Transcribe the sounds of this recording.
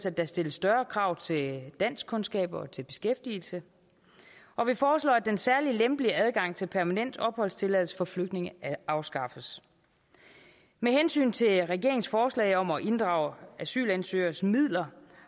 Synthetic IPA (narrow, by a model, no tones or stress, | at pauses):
sæd̥æsd̥e̝ləsːd̥ɶɐkʰʁɑ̈ːʊ̰t͡sʰe̝ld̥æn̰skʰɔ̽nsɡ̥ɛ̰ːb̥ɒ̽t͡sʰe̝lb̥e̝sɡ̥efd̥iːl̩sə | ʔɒ̽ʋifɒːslɒ̰ːæd̥ensæɐlilemb̥liəæð̞ˠɡ̥ɑ̈ŋ̰t͡sʰe̝lpʰæɐmænen̰d̥ɒ̽b̥hɒ̽l̰st͡sʰe̝lɛðˠl̩sə̥fɒ̽fløɡ̥̚d̥ne̝ŋəɑ̈ʊsɡ̥ɑ̈fəs | mehensy̰ːnt͡sʰe̝lʁɛɡ̥e̝ɐe̝ŋsfɒːslɛ̰ɪɒ̽mɒʔe̝nd̥ʁɑ̈ʊ̰æsy̰ːlænsø̰ːɐsmið̰ˠlɐ